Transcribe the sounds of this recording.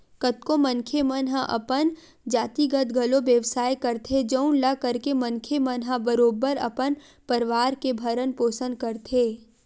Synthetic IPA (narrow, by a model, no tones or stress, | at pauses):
kət̪kõmə̃ŋkʰemənɦãʔɐpən | d͡ʒaːt̪iɡət̪ɡʱɐloʋjəʋsaːjkɐɾt̪ʰed͡ʒəʊ̃nlɐkəɾkemɐ̃ŋkʰemənɦãbəɾoːbəɾɐ̰pən | pəɾɪʋaːɾkebʱɐɾənpoːsə̃nd̪̚kɐɾt̪ʰeː